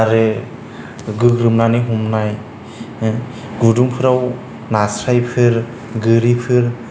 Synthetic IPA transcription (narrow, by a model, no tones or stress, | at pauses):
aɾe | ɡɯɡɾɯmnaniɦumnaj | ɡudumpʰɯɾaw | nasɾajpʰɯɾ | ɡɯɾipʰɯɾ